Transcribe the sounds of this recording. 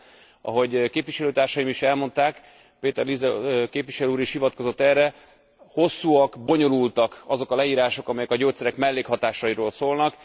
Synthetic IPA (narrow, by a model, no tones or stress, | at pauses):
ʔɒ̰ɦo̞ɟkeːpviʃɛløːt̪aːrʃɒjimiʃɛlmo̞nt̪aːk | peːt̪ɛrlizɛkeːpvʋiʃɛløuːɾiʃhivɒt̪kozo̞t̪ːɛrɛ | ho̞sːuːɒkbo̞ɲo̞lult̪ɒkɒzo̞kɒlɛiːɾaːʃo̞kɒmɛjɛkɒɟoːt̪sɛɾɛkmɛlːeːkhɒt̪aːʃɒjiɾoːlsoːlnɒk